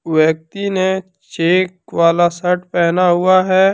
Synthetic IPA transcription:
wjək̚t̪ine | t͡ʃeːkwaːlasɐʈpɛɦnaɦʊaɦɛː

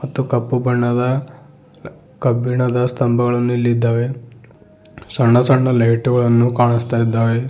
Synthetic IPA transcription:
mɐt̪ːukɐpːubɐɳːɐd̪ɐ | kɐbiɳɐd̪ɐst̪ɐmbʱɐɡɐɭɐnːuilːid̪ːaːʋe | sɐɳːɐsɐɳːɐlɐjʈuɡɐɭɐnːukaːɳist̪aːjid̪ːaːʋe

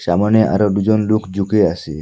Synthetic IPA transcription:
samɔneʔa̰ɾɔd̪ud͡ʒonlukʰd͡ʒukeaʃe

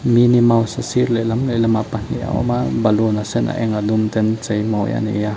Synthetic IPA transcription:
minimawsasiɾlelamlelamapan̥ḭʔa̰o̰mabalonasenʔa̰ʔeŋad̪umt̪ent͡sejmawja̰nḛja

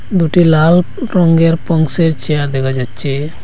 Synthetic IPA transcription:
d̪uʈilal | ɾɔŋɡeɾpɔŋseɾt͡ʃijaɾd̪ɛkad͡ʒatːt͡ʃʰe

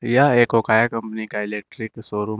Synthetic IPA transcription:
jaeːkokaːjakəmpənikaelek̚ʈɾiksoːɾu

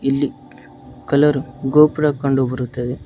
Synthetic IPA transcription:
ilːi | kɐlɐɾuɡoːpiɾɐkɐɳɖubɐɾut̪ːɐd̪e

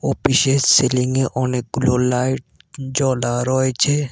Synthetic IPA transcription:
opiʃeselɪŋɡeʔɔnekloːlaːɪʈ̚ | d͡ʒɔːlaɾɔːet͡ʃʰe

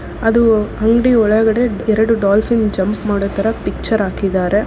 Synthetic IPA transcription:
ɐd̪uɦɐŋɡɽiɔɭɐɡɐɽe̞ɛɾɐɽuɖaːlpʰind͡ʒɐmpmaːɽoːt̪ɐɾɐpik̚t͡ʃɐɾaːkid̪aːɾe̞

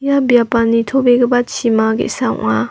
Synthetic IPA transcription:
jabjapanːitʰobeɡɐbat͡ʃʰimaɡḛsawʔŋa

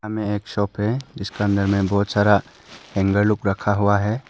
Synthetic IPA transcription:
amẽeːkʃɔːpɦɛd͡ʒɪskeə̃nd̪əɾmẽbɔɦt̪saːɾa | hɛ̃ŋɡəɾlʊkɾɐkʰaɦuaɦɛ

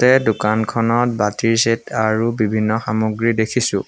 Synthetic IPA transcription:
tɛdukankʰɔnɔt̚batiɹsetʰaɹubibʱinːɔxamoɡɹidekʰisʊ̰̃

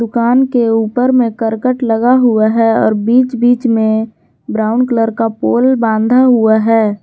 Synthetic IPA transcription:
d̪ʊkaːnkeuːpəɾmẽkəɾkəʈləɡaɦuaɦɛɔ̰ːɾbiːt͡ʃbiːt͡ʃmẽ | bɾaːʊnkləɾkapoːlbãːnd̪ʱaɦuaɦɛː

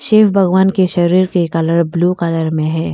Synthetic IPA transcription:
ʃeːfbʱɐɡʋaːnkeʃɐɾiːɾkekaləɾblukaːləɾmẽɦɛ̃ː

